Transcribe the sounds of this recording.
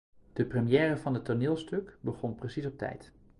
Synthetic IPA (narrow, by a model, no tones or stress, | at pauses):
d̥əprəmijɛːrəvɑnətːonɪːlˠstɵkbəχɔnprəsisɔp̚tɛ̰jt